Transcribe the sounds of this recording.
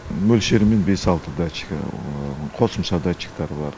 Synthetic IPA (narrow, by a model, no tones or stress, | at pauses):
mɵlʃeɾɪmenbe̞sɑlˠt̪əd̪at͡ʃːɪ̥kqʰo̞səmʃɑd̪at͡ʃːɪ̥kt̪ɑɾbɑɾ